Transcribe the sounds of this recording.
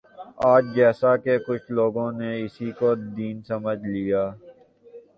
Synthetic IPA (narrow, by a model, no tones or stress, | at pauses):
aːd͡ʒd͡ʒɛːsakekʊt͡ʃʰloːɡõneɪsikod̪iːnsɐməd͡ʒʱlijaː